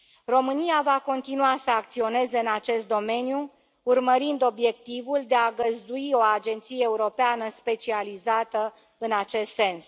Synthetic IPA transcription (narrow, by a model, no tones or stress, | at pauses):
ro̞mɨnijavako̞nt̪inuasəak̚t̪sio̞ne̞ze̞ɨnat͡ʃe̞st̪̚d̪o̞me̞niju | urməɾind̪o̞bje̞k̚t̪ivuld̪e̞aɡəzd̪uio̞ad͡ʒe̞nt̪sijeːuɾo̞peanəspe̞t͡ʃializat̪ə | ɨnat͡ʃe̞st̪se̞ns